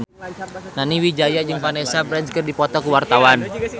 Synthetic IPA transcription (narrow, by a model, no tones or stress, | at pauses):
naniwid͡ʒajad͡ʒɨŋpanesabɾɛnskɨrdipɔt̪ɔkuwart̪awan